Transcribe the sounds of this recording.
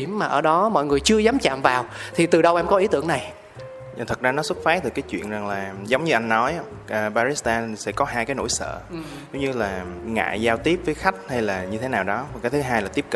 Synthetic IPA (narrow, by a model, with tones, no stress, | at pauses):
i˧˩əmːaː˨˩ʔəː˧˩ɗɔ˨˦mɔ̰˧˨jŋɨ˨˩əjt͡ɕɨ˧əzaː˨˦mt͡ɕa̰ː˧˨mvaː˨˩wt̪ʰi˨˩t̪ɨ˨˩ɗə˧wʔɛ˧mkɔ˨˦ʔi˨˦t̪ɨ̰˧˩əna˨˩j | t̪ʰə˨˩t̚zaː˧nɔ˨˦swə˦˥t̚faː˨˦˥t̪ɨ˨˩kaː˨˦jt͡ɕwḭ˧˨ənza˨˩ŋlaː˨˩zə˨˦wŋ͡mɲɨ˧ʔa˧jŋːɔ˨˦j | ʔəː˨˩ɓaː˧ɾi˦˥st̪aː˧n˨˩sɛ̰˧˥kɔ˨˦ɦaː˧jkaː˨˦jno̰˧˩jsə̰ː˧˨ | zə˨˦ŋ͡mɲɨ˧laː˨˩ŋa̰ː˧˨zaː˧wt̪i˦˥əp̚vəː˨˦jxa˦˥jk̟̚ha˧jlaː˨˩ɲɨ˧t̪ʰe˨˦naː˨˩wɗɔ˨˦va˨˩kaː˨˦jt̪ʰɨ˨˦ɦaː˧jlaː˨˩t̪i˦˥əpkə˧˨